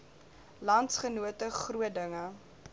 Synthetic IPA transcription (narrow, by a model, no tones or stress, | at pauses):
lɐntsχənuətəχruədəŋə